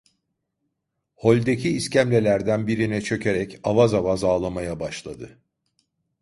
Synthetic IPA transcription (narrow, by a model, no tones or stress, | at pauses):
ho̞lʲd̪ecʰiːscæmlʲe̞lʲæɾd̪ænbiɾinɛt͡ʃʰø̞cʰe̞ɾɛcavazavazaːlˠamajabaʃlˠad̪ɯ